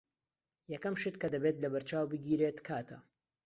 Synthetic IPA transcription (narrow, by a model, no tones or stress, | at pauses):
jɐkɐmʃɨt̪kɐd̪ɐbet̪lɐbɐɾt͡ʃaːwbɨɡiːɾeːt̪kʰaːt̪ʰɐ